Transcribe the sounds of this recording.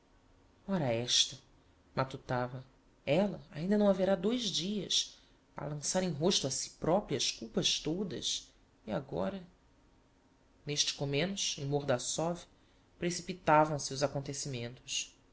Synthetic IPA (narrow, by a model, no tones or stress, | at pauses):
ɔɾɐɛʃt̪ɐ | mat̪ut̪avɐ | ɛlɐaĩnd̪ɐnɐ̃w̃aveɾad̪ojzd͡ʒiɐ̰s | ɐ̰lɐ̃saɾẽj̃ɦoʃt̪uɐsi̥pɾɔpɾiɐʃkuwpɐʃt̪od̪ɐ̰ʃ | iaɡɔ̰ɾɐ | neʃt͡ʃɪ̥komẽnʊʃẽj̃moɾd̪ɐsɔvi | pɾesipit̪avɐ̃w̃siuzakõnt̪esimẽnt̪ʊ̥s